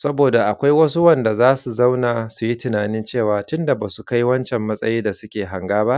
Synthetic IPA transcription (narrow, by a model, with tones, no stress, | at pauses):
sɐ˦boː˨da˨ʔa˨kʷa˦jwɐ˦s̬u˦wɐ˦˨nda˨zaː˦su˨za˦wnaː˨su˨ji˦tɪ˨naː˨nɪ˦nt͡ʃeː˦˨waː˨tʊ˦nda˨baː˨su˨ka˦jwɐ˦nt͡ʃɛ˨mːɐ˦sʼɐ˦jiː˦da˨sʊ˦kʲeː˨ɦa˨ŋɡaː˦ba˦ʔ